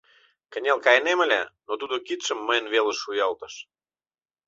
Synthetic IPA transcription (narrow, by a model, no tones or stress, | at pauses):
kə̆nʲelkɑjnemə̆lʲæ̰not̪ud̪okit̪ʃə̆mːəjə̆nβelə̆ʃːujɑlt̪ə̥̆ʃ